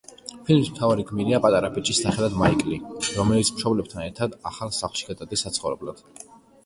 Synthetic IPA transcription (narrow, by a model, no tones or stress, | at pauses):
pʰilmismt̪ʰavaɾiɡmiɾiapʼat̪ʼaɾapʰit͡ʃʼisaχɛlˠad̪maikʼliɾɔmɛlit̪sʰmʃɔblɛbt̪ʰanɛɾt̪ʰad̪aχalˠsaχlˠʃi̥ɡad̪ad̪ɛsːat̪sʰχɔvɾɛ̰blad̪̥